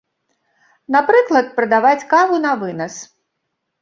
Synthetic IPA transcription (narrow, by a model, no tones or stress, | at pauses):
napɾɨklˠɐt̪̚pɾɐd̪avat͡sʲkavunɐvɨnɐs